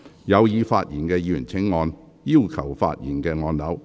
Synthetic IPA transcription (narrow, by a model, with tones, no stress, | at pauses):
jɐ˨˧wjiː˨˧faː˧t̚jiː˨˩nkɛː˧jyː˨˩nt͡sʰɪ˨˥ŋːɔː˧n | jiː˥˧wkʰɐ˨˩wfa̰ː˧t̚jiː˨˩nkɛː˧ŋɔː˧nlɐ˨˥w